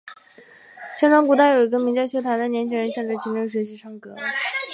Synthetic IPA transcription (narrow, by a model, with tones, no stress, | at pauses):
t͡ɕʰɛ˥nʈ͡ʂʰwɑ˥ŋku˧˥t̪a˥˩jo˨˩ʊi˧˥ɡə˧mi˧˥ŋt͡ɕɪt͡ɕʰjo˥t̪ʰwa˧˥nd̪ə˨njɛ˧˥nt͡ɕʰi˥ŋɻə˧˥nɕjɑ˥˩ŋʈ͡ʂɻ̩˥˩ɕʰi˧˥ʈ͡ʂɤ˥˩ŋɕ̬ɥɛ˧˥ɕ̬i˧˥ʈ͡ʂʰwɑ˥ŋkɤ˧˥